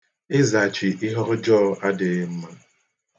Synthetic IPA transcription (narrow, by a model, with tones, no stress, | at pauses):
ɪ˦za˨t͡ʃi˨ʔi˦ɦɔ˦ɾʊ˦d͡ʒɔː˦˨a˦de˨˦m̩˦ma˦